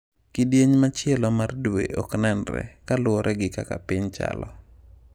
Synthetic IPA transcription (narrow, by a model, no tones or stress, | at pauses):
kidjeɲmat͡ʃɪɛlɔmardwḛʔɔknɛnɾɛ̰kalʊɔɾʔɛɡɪkakapɪɲt͡ʃa̰lɔ